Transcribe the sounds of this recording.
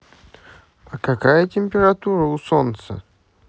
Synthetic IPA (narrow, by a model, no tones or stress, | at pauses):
ɐkɐkajətʲɪmʲpʲɪɾat̪uɾəʊsont̪sə̰